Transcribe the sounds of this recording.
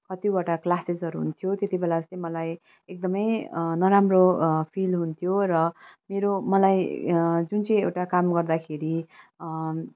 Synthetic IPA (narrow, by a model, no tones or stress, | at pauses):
kʌt̪ibaʈaklased͡zʌɾuɦṵnt̪ʰjot̪et̪ibelat͡sʌ̃j̃mʌlaj | ek̚d̪ʌmʌjnʌɾamropʰilɦunt̪ʰjorʌmeɾomʌlajd͡zunt͡sʌj̃ewʈakamɡʌrd̪akʰeɾi